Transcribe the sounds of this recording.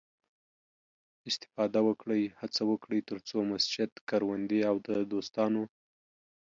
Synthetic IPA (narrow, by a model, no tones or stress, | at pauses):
ɪst̪ɪ̥fɑd̪awəkɽəjhat͡sawəkɽəjt̪əɾt͡somasd͡ʒɪt̪kaɾwand̪iawd̪əd̪ost̪ɑno